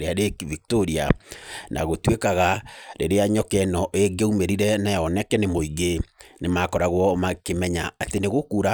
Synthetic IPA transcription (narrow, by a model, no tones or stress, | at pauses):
ɾeaɾekivik̚toɾianʔa̰ɣotwekaɣaɾeɾeaɲɔkɛnɔʔeɡeumeɾiɾɛnajɔnɛkɛnemoiɣenemakɔɾaɣwɔmakemɛɲaːteneɣokuːɾa